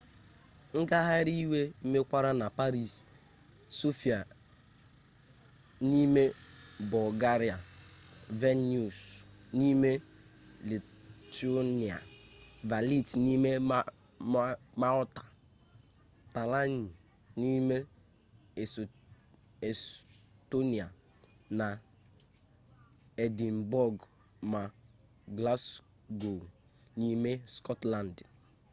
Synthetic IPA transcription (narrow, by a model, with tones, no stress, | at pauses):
ŋ̩˦ɡa˦ɦa˦ɾi˦we˦m̩˦me˦kʷa˦ɾa˦na˨pa˦ɾi˦˨s | so˦fi˨a˨ | ni˦me˦bɔ˨lɡa˦ɾi˨a˨ | ve˦n˦u˨s | ni˦me˦ | li˨ | to˦ni˨a̰˨va˨li˦tni˦me˦ | ma˦ɾɔ˦tḁ˨ | ta˨la˦ni˨ | ni˦me˦˨ | e˨sto˦ni˨a˨ | na˨ | e˨di˨mbɔ˦˨ɡ | ma˨ | ɡla˦s | ɡo˨l | ni˦me˦skɔ˦tla˨nd